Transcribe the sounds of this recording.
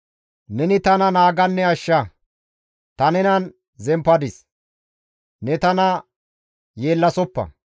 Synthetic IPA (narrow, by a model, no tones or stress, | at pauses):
nɛnɪt̪ɐnɐnaːɡɐnːɛɐʃːɐ | t̪ɐnɛnɐn | zɛmpːɐd̪ɪs | nɛt̪ɐnɐ | jeːlːɐsɔpːɐ̰